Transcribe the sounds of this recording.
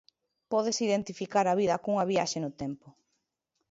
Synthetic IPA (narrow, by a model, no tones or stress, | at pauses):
pɔð̞esiðent̪ifikaɾɐβiðɐkuŋɐβiaʃenʊt̪ɛmpʊ